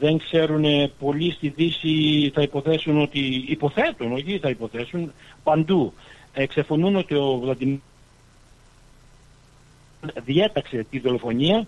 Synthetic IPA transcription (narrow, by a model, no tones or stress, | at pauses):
ðe̞ŋkse̞ɾunepo̞list̪iðisiθɐipo̞θe̞suno̞t̪iːpo̞θe̞t̪uno̞çiθɐipo̞θe̞sunpɐnd̪ueksɐfo̞nuno̞t̪io̞vlɐd̪im | nðie̞t̪ɐkse̞t̪iðo̞lo̞fo̞ɲiɐ